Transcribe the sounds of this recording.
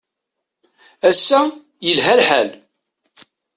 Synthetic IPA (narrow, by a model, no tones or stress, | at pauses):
æsːæ | jəlɦælħæ̰l